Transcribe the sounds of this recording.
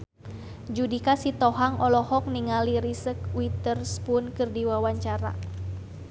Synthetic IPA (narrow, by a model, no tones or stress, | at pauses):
d͡ʒudikasit̪ɔɦaŋɔlɔhɔk̚niŋaliɾisəkwit̪ərspʊnkɨrdiwawaɲt͡ʃaɾa̰